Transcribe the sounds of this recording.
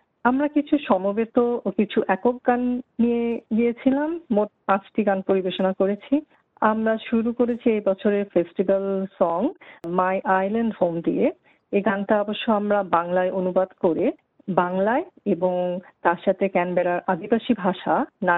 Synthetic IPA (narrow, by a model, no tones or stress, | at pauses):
amɾakit͡ɕʰuʃɔmobet̪ookit͡ɕʰuʔɛkok̚ɡanːijeɡijet͡ɕʰilamːoʈ̚pãt͡ɕʈiɡanpoɾibeʃonakoɾet͡ɕʰi | amɾaʃuɾukoɾet͡ɕʰiejbɔt͡ɕʰoɾeɾfesʈibalsɔŋmajʔajlaɳɖhomd̪ie | eɡanʈaaboʃːoamɾabaŋlaeʔonubad̪koɾe | baŋlaeeboŋt̪aɾʃat̪ʰekɛnbɛɾaɾʔad̪ibaʃibʱaʃana